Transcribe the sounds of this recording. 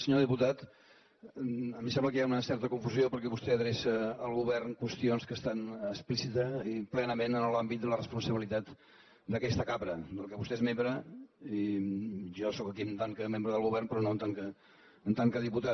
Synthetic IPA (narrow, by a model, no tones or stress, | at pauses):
səɲoðiput̪at̪ | əmisɛ̃mbləkəjaunəsɛɾt̪əkuɱfuziopəɾkɛβust̪ɛəðɾesəːlˠɣuβɛrnkwəst̪ionskəst̪anəsplisit̪əiplɛnəmenənəlambit̪d̪ələrəspunsəβilit̪at̪ | d̪əkɛst̪əkaβɾəd̪əlˠkɛβust̪ɛezmembɾəi | ʒɔsɔkəkiənt̪aŋkəmembɾəðəlˠɣuβɛrnpɾɔnont̪aŋkəː | nt̪aŋkəðiput̪a